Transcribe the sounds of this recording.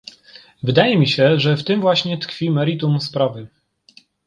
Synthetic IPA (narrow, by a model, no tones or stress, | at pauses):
vɘd̪ajɛmʲiɕɛʐɛft̪ɘmvwaɕɲɛt̪kfʲimɛɾit̪umspɾavɘ